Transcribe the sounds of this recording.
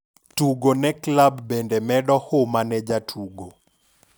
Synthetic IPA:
tuɡonɛklabːɛndɛmɛdɔhomanɛd͡ʒatʰuɡo

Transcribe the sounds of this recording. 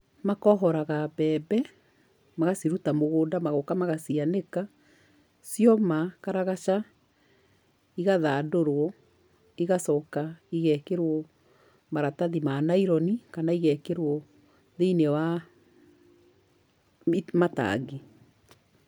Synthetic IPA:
makɔɦɔɾaɣabɛːbɛ | maɣasiɾutamoɣoːdamaɣokamaɣasianeka | sjɔmakaɾaɣaʃa | iɣaðaːdoɾwɔ | iɣasɔkaiɣɛkeɾwɔ | maɾataðimanaiɾɔnikanaiɣɛkeɾwɔ | ðeinewa | mata̰ɣi

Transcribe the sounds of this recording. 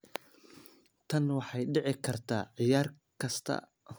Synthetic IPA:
t̪ʰɐnwɑħɑjɖɛʕɪkʰɐrt̪ʰaːʕɪjaːr | kʰɐst̪ʰɐ̰

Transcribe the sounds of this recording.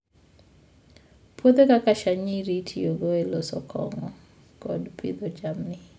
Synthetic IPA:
pwot̪ekakaʃaɲiɾitʰioɡoelosɔkʰɔŋɔ | kɔdpʰḭd̪od͡ʒamnɪ

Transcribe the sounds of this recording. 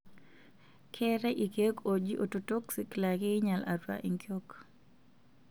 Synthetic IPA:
kʰɛɾɛʔikekod͡ʒiʔototoksiklakɪɲala̰ɾwa̰ʔiŋkjok

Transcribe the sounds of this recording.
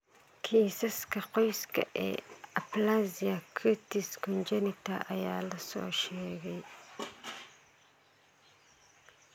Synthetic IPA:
kʰiːsɐskʰɐqɔjskʰɐ̰ʔɛ̰ːɐplaziɐkʰut̪ɪskʰɔnd͡ʒɛnɪt̪ʰɐʔɐjaːlɐsɔ̰ːʃɛːɣɛj

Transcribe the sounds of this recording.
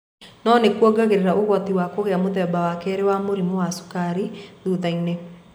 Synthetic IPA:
nɔnekwɔɡaɣeɾeɾaʔoɣwɔt̪iwakoɣeamoðɛːbawakɛɾewamoɾimowaso̥kaɾiðuðaine

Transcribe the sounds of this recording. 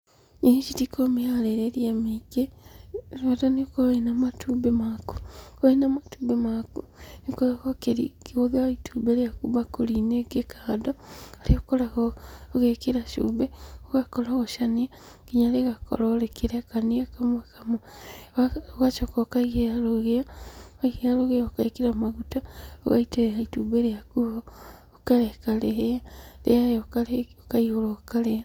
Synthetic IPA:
iit͡ʃitikʰomialeɾeɾjemiɡeɾatanikoenamatʰubemaku̥oenamatuːbemakunikoakokeɾikiɣoðaituːbeliakuβakulinekekʰaːdoaliokolaɣoɣekiɾaʃṵːbeoɣakolaɣoʃania | kiɲaleɣako̰lolekiɾeakaniakamokamoaɣat͡ʃokokaiɣealoɣeaaiɣealoɣeaokaekiɾamaɣutao̰ɣa̰iteehaituːbeɾejakuβoː | kaɾekaleejalḛjajokakaiholokaleja

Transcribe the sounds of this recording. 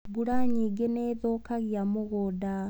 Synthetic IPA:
ɡuɾaɲiɡeneːðokaɣjamoɣoda

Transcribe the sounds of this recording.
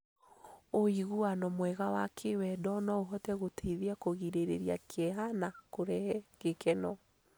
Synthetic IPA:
oiɣuanɔmwɛɣawakʰewɛdɔnɔoɦɔtɛɣotʰeiðiakoɣiɾeɾḛɾja̰kʰɛɦanakoɾɛɛɣekɛnɔ

